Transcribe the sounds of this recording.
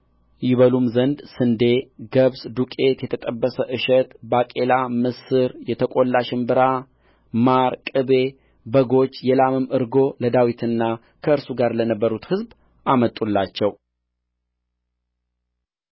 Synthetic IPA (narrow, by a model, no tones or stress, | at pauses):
jɪβəlumzənd̪sɨnd̪e̞ɡəβsd̪ukʼe̞t̪jɛt̪ʰət̪ʼəbːəsəʔɨʃɛt̪bakʼe̞lamɨsɨɾjɛt̪ʰəkʼo̞lːaʃɨmbɨɾa | maɾkʼɨbe̞ | bəɡo̞t͡ʃːjɛlamɨmɨɾɡo̞ləd̪awit̪ʰɨnːa | kʰəɨɾsuɡaɾlənəbːəɾut̪hɨzb | ʔamət̪ʼːulːat͡ʃːɛw